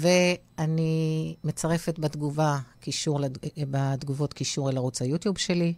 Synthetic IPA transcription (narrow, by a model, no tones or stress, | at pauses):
ve̞ | animet͡saʁe̞fetbad̪ɡuvakiʃuʁlebad̪ɡuvo̞tkiʃuʁelaʁut͡sajutjubʃe̞li